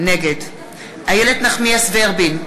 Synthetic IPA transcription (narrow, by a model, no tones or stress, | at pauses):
neɡed̪ | hajeled̪naχmiasveaʁbin